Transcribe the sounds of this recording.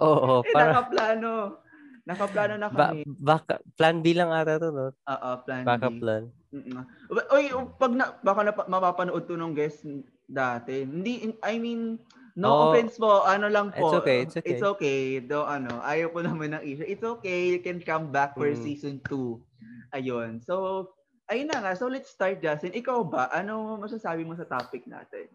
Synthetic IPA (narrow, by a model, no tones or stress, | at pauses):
ʔoːʔoɛpankɐplaːno | nɐkɐplaːnonɐkɐba̰mɛbaːkɐ̰planbilɐŋat̪ɐt̪onoʔo̰ːʔoplanbaːbkɐplan | m̩ːʔbɐʔojpɐɡ̚nɐbaːkɐnɐpɐmɐpaːpɐnoʔod̪̚ponoŋɡɛs | d̪aːt̪ɛhɪnd̪iʔɐjminː | owʔofɛnspoʔɐnolɐŋpoʔɪt̪sʔokejd̪oŋʔɐnoʔaːjɐwkonɐmɐnːɐŋʔiːʃʊʔɪt̪sʔoːkejjʊkɛnkɐmbak̚fɛɹsiːsɔnt̪uʔɐjonsow | ʔɐjʊnːɐŋasowlɛt̪st̪aɹt̪̚d͡ʒasɪŋʔɪkawbɐʔɐnoomɐs̬asaːbɪmosɐt̪aːpɪk̚na̰ːt̪ɛ̰n